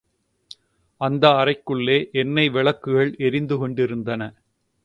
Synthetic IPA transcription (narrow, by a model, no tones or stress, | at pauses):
ɐnd̪ɐːrɐɪkːɯɭːeːʔɛnːɐɪʋɪɭɐkːɯɣɐɭʔɛɾɪnd̪ɯkɔɳɖɪɾɯnd̪ɐnɐ